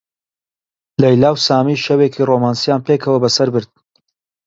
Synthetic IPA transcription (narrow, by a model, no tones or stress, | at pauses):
lɐjlaːwsaːmiːʃɐweːkʰiːromaːnsijaːnpeːkʰɐwɐbɐsɐɾbɨɾd̪̥̚